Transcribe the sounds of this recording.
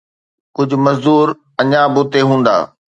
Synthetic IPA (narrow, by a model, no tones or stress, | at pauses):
kʊd͡ʑʱʊ̆mɐzd̪uːɾ | ɐɲãbʊːt̪eɦũːn̆d̪a̰ː